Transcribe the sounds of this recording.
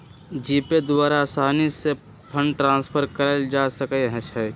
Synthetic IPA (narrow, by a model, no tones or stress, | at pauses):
d͡ʒiːped̪ʊwaːɾasaːnise | pʰə̃ɳɖʈɾãːspʰəɾkəɾəld͡ʒaːsəkəɦə̃t͡ʃʰɛ